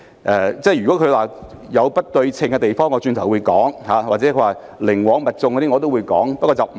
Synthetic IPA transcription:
ʔɛː˨˧t͡sɛː˥˩jyː˨˩kɔː˨˥kʰwaː˨ | jɐ˨˧wpɐ˥t̚t̪ɵ˧ɥt͡sʰɪ˧ŋkɛ˧t̪e˨jfɔː˥ŋːɔː˨˧t͡ʃyː˧nt̪ʰwu˨˧jkɔː˨˥ŋhaː˨˧waː˨t̚t͡sɛ˨˥kʰɵ˧waː˨˩ | lɪ˨˩ŋwɔː˨˧ŋmɐ˨t̚t͡sʊ˧ŋkɔ˨˧t̪iː˥ŋɔ˨˧t̪o˥wu˨˧jkɔ̰ː˨˥ŋpɐ˥kɔː˧t͡sɐ˨wm˨

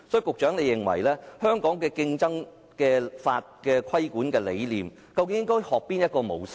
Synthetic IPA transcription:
sɔː˨˥˨kʊ˨k̚t͡ʃœː˨˥ŋle˨˧jɪ˨˩ŋwɐ̰˨˩jlɛː˥hœː˥ŋkɔː˨˥ŋkɛː˧kɪ˧ŋt͡sɐ˥ŋ | kɛː˧fa̰ː˧t̚kɛː˧kʰɐ˥jkuː˨˥nkɛː˧le˨˧jliː˨m | kɐ˧wkɪ˧˦ŋjɪ˥ŋkɔː˥jhɔː˨k̚piː˥njɐ˥t̚kɔː˧mo̰˨˩wsɪ˥

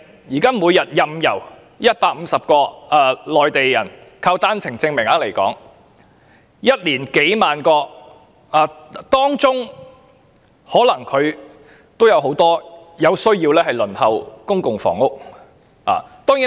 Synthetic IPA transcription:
jiː˨˩kaː˥muː˨˧jɐ˨t̚jɐ˧mjɐ˨˩w | jɐ˥t̚paː˧k̚m̩˨˧sɐ˨p̚kɔː˧aː˨˧lɔː˨jt̪e˨jjɐ˨˩nkʰaː˧wt̪aː˥nt͡sʰɪ˨˩ŋt͡sɪ˧ŋmɪ˨˩ŋaː˨˥le˨˩jkɔ̰ː˨˥ŋ | jɐ˥t̚liː˨˩nke˨˥jmaː˨nkɔː˧ | aː˨˩t̪ɔː˥ŋt͡sʊ˥ŋ | hɔː˨˥lɐ˨˩ŋkʰɵ˨˧ɥ | t̪o˥wjɐ˨˧wɦo˨˥wt̪ɔː˥ | jɐ˨˧wsɵ˥ɥjiː˧wlɛː˥hɐ˨˩jlɵ˨˩nhɐ˨wkʊ˥ŋkʊ˨ŋfɔ̰ː˨˩ŋʊ˥k̚ | a̰ː˨˩t̪ɔː˥ŋjiː˨˥

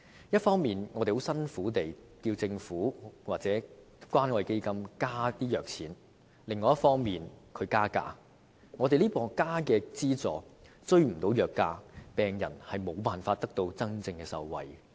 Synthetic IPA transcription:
jɐ˥t̚fɔː˥ŋmiː˨nŋɔː˨˧t̪e˨˩ho˨˥wsɐ˥nfuː˨˥t̪e˨j | kiː˧wt͡sɪ˧ŋfuː˨˥waː˨t̚t͡sɛː˨˥ | kʷwʷaː˥nkɔ˨˧jke˥jkɐ˥mkaː˥t̪iː˥jœː˨˩k̚t͡sʰiː˨˥n | lɪ˨ŋːɔː˨˧jɐ˥tfɔː˥ŋmiː˨nkʰɵ˨˧ɥkaː˥ka̰ː˧ | ŋɔ˨˧t̪e˨jliː˥pɔː˨kaː˥kɛː˧t͡siː˥t͡sɔ̰ː˨˩ | t͡sɵ˥ɥm̩˨˩t̪o˨˧˥wjœː˨kːaː˧˥pɛː˨ŋjɐ̰˨˩nhɐ˨jmo˨˧wpaː˨nfaː˧t̚t̪ɐ˥k̚t̪o˧wt͡sɐ˥ŋt͡sɪ˧ŋkɛː˧sɐ̰˧wwɐ̰˨j

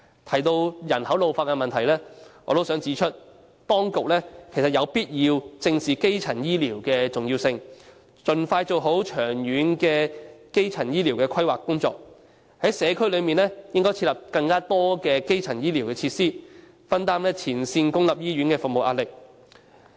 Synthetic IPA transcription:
t̪ʰɐ˨˩jt̪o˧wjɐ˨˩nhɐ˨˥wlo˨wfaː˧t̚kːɛ˧mɐ˨nt̪ʰɐ˨˩jlɛː˥ŋɔ̰ː˧t̪o˥wsœː˨˥ŋt͡si˨˥t͡ʃʰɵ˥t̚ | t̪ɔː˥ŋkʊ˨k̚lɛː˥kʰe˨˩jsɐ˨t̚jɐ˨˧wpiː˥t̚jiː˧wt͡sɪ˧ŋsiː˨ke˥jt͡sʰɐ˨˩njiː˥liː˨˩wkɛː˧t͡sʊ˨ŋjiː˧wsɪ˧ŋ | t͡ʃɵ˨nfaː˧jt͡so˨wɦo˨˥wt͡ʃʰœː˨˩ŋjyː˨˧˥nkɛː˧ke˥jt͡sʰɐ˨˩njiː˥liː˨˩wkɛː˧kʰɐ˥jwaː˨kːʊ˥ŋt͡sɔː˨˧k̚ | hɐ˨˥jsɛː˨˧kʰɵ˥lɵ˨˧miː˨nlɛː˥jɪ˥ŋkɔː˥jt͡sʰiː˧lɐ˨p̚kɐ˧ŋkaː˥t̪ɔː˥kɛː˧ke˥jt͡sʰɐ˨˩njiː˥liː˨˩wkɛː˧t͡sʰiː˧t̚siː˥ | fɐ˥nt̪aː˥mlɛː˥t͡sʰiː˨˩nsiː˧nkʊ˥ŋlɐ˨p̚jiː˥ɥyː˨˥nkɛː˧fʊ˨k̚mo˨wʔa̰ː˧t̚lɪ˨k̚

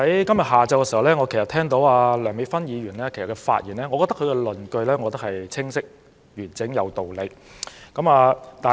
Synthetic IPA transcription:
ɐ˨˥jkɐ˥mjɐ˨t̚haː˨t͡sɐ˧wkɛ˧si˨˩hɐ˨˩wlɛː˥ŋɔː˨˧kʰe˨˩sɐ˨t̪ʰɛː˥ŋt̪o˨˥waː˧lœː˨˩ŋme˨˧˥fɐ˥njiː˨˧ɥyː˨˩nlɛː˥kʰe˨˩sɐ˨tkɛ˧fa̰ː˧t̚jiː˨˩nlɛː˥ŋɔ˨˧kɔ˧t̪ɐ˥kʰɵ˨˧˥kɛ˧lɵ˨nkɵ˧ɥlɛː˥ŋɔː˨˧ɔ˧t̪ɐ˥hɐ˨jt͡sʰɪ˥ŋsɪ˥k̚ | ɥyː˨˩nt͡sɪ˨˥ŋjɐ˨˧wt̪o˨wle˨˧jkɐ˨˥maː˧t̪aː˨

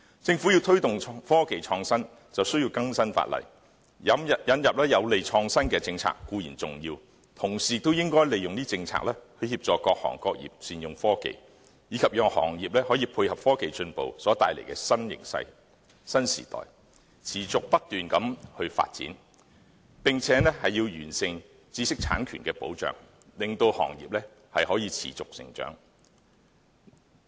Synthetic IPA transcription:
t͡sɪ˧ŋfu˨˥ji˧wt̪ʰɵ˥ɥt̪ʊ˨ŋʰfɔː˥ke˨jt͡ʃʰɔː˧ŋsɐ˥n | t͡sɐ˨wsɵ˥ɥji˧wkɐ˥ŋsɐ˥nfa̰ː˧t̚lɐ̰˨˩j | jɐ˨˥mɐ˨jɐ˨˥njɐ˨p̚lɛː˥jɐ˨˧wle˨jt͡ʃʰɔː˧ŋsɐ˥nkɛː˧t͡sɪ˧ŋt͡sʰa̰ː˧kːuː˧jiː˨˩nt͡sʊ˨˩ŋjiː˧w | t̪ʰʊ˨˩ŋsiː˨t̪o˥wjɪ˥ŋkɔː˥jle˨˩jʊ˨ŋniː˥t͡sɪ˧ŋt͡sʰa̰ː˧klɛː˥hɵ˧ɥhiː˧˥p̚t͡ʃɔː˨˧kɔː˧k̚hɔ̰ː˨˩ŋkɔː˧k̚jḭː˨˩p̚siː˨njʊ˨ŋfɔː˥kḛ˨j | jiː˨˧kʰɐ˨p̚jœː˨ŋhɔ̰ː˨˩ŋjiː˨p̚lɛː˥hɔː˨˥jiː˧pʰu˧jhɐ˨p̚fɔː˥ke˨jt͡ʃɵ˧npo̰˨wsɔː˨˥t̪aː˧jlḛ˨˩jkɛː˧sɐ˥njɪ̰˨˩ŋsɐ̰˧j | sɐ˥nsḭː˨˩t̪ɔ̰ː˨j | t͡sʰiː˨˩t͡sʊ˨k̚pɐ˥t̚t̪yː˨nkɐ˨˥mhɵ˧ɥfa̰ː˧t̚t͡sḭː˨˥n | pɪ˨ŋt͡sʰɛː˨˥nɛː˥hɐ˨jiː˧wjyː˨˩nsɪ˧ŋ | t͡siː˥sɪ˥k̚t͡sʰa̰ː˨˥nkʰyː˨˩nkɛː˧po̰˨˥wt͡ʃœ̰ː˨ŋ | lɪ˨˩ŋt̪o˧whɔ̰ː˨˩ŋjiː˨p̚lɛː˥ | hɐ˨jhɔː˨˥jiː˧t͡sʰḭː˨˩t͡sʊ˨k̚sɪ̰˨˩ŋt͡ʃœ̰ː˨˥ŋ

